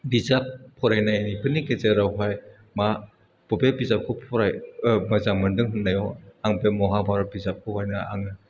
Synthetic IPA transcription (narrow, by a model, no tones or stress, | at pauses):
bizap̚ʰːɔɾajnaanikʰɯnikezeɾawɦaj | ma | b̥ɔbebizap̚kʰɔpʰɔɾajmɐzamɯndɯŋɦɯnːajɔaŋpemɔɦabaɾabizap̚kʰɯhajnaa̰ŋna